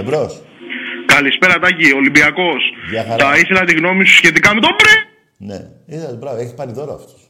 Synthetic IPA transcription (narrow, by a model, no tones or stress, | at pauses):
evɾos | kɐlispe̞ɾɐt̪ɐcio̞limbiɐko̞sɐfθɐiθelɐt̪iɣno̞misusçe̞t̪ikɐme̞t̪obɾi | nḛ | iðɐt̪bɾɐvoeçispɐɾiðoɾoɐ̰ft̪o̥